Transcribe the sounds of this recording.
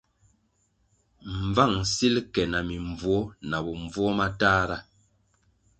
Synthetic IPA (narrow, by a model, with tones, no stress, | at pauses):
m̩˨va˦˨ŋsi˦lkɛ˨na˨mi˨ɱvwɔ˦na˨bɔ˨ɱ˨vɔ˦ma˦taː˦ɾa˦